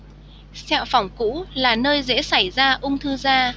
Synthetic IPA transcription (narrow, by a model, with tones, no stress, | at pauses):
sɛ˧˨wfa˧˩wŋ͡mkṵ˧˥laː˨˩nəː˧jzḛ˧˥sa˧˩jzaː˧ʔʊ˧ŋ͡mt̪ʰɨ˧zaː˧